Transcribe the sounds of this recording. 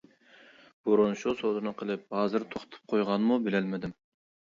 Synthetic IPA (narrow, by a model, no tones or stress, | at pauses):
b̥uɾunʃusod̪ɨnɨqʰəlˠɪp̚hɑːzɨɾt̪ʰoχt̪ʰu̥p̚qʰojʁɑnmubɪlɛlmɪd̪ɪm